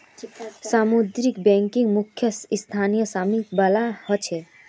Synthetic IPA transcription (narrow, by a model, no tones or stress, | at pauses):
samud̪ɾikbɛ̃ŋkiŋɡmukʰjəst̪ʰanijəsamikbalahɔt͡ʃʰe